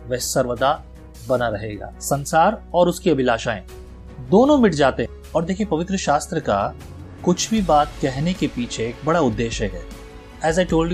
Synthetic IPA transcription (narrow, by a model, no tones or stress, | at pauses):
ʋɛːsɐɾʋəd̪a | bɐnaɾɐɦeːɡa̰ːsɐ̃nsaːɾɔːɾʊskiɐbʱɪlaːʃaːẽ | d̪oːnõmɪʈʰd͡ʒaːt̪eɦɛ̃ | ɔːɾd̪eːkʰiepɐʋɪt̪ɾəʃaːst̪ɾəka̰ | kʊt͡ʃʰbʱibaːt̪kɛɦnekepiːt͡ʃʰeːk̚bɐɽaʊd̪ːeːʃɦɛːkɦɛː | ɛːzaːɪʈoːlɖ